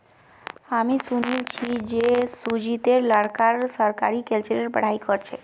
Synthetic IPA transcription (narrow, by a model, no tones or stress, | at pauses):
amisunilt͡ʃʰid͡ʒesud͡ʒit̪eɾləɽkaɾsəɾka̰ɾikelt͡ʃeɾəɾbə̰ɽ̤aikɔɾt͡ʃʰe